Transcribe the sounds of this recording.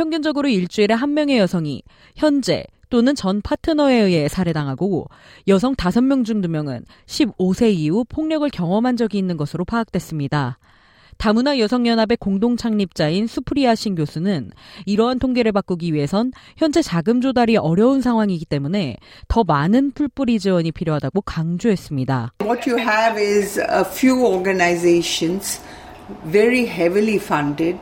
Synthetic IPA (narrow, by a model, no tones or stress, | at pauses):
pʰjʌŋɡjʌnd͡ʑʌɡɯɾoiɭt͡ɕ͈uiɾe̞ɦanmʲjʌŋe̞jʌsʰʌŋḭ | çjʌnd͡ʑe̞̰ | t͈onɯnt͡ɕʌnpʰatʰɯnʌe̞ɯe̞sʰaɾe̞daŋɦaɡo | jʌs̬ʰʌŋtasʰʌnmjʌŋd͡ʑuŋdumjʌŋɯ̰n | ɕʰibosʰe̞iupʰoŋɲʌɡɯɭkjʌŋwʌmɦand͡ʑʌɡiːnːɯnɡʌsʰɯɾopʰaːk̚t͈we̞s͈ɯmɲida | tamunajʌsʰʌŋjʌnabe̞koŋdoŋt͡ɕʰaŋɲip̚t͡ɕ͈ainsʰupʰɯɾiaɕʰinɡjosʰunɯniɾʌɦantʰoŋɡe̞ɾɯɭpak͈uɡiɥiɦe̞sʰʌnçjʌnd͡ʑe̞t͡ɕaɡɯmd͡ʑodaɾiʔʌɾjʌunsʰaŋɦwaŋiɡit͈e̞mune̞tʌmanɯnpʰuɭp͈uɾid͡ʑiwʌɲipʰiɾjoɦadaɡokaŋd͡ʑoɦe̞s͈ɯmɲidaʋɔtjuɦæʋɪzəfjuːɔːɡənaɪzeːʃə̃nz̥ | ʋeɾiɦɛvilifʌ̃ɳɖɪɖ